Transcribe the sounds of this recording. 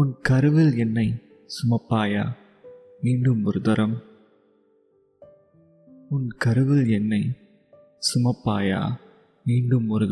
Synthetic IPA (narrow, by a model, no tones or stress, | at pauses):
ʊnkɐɾɯʋɪlɛnːɐɪ | sʊmɐpːaːja̰ː | miːɳɖɯmʊɾɯðɐɾɐm | ʊnkɐɾɯʋɪlɛnːɐɪ | sʊmɐpːaːja̰ː | miːɳɖɯmʊɾɯðɐ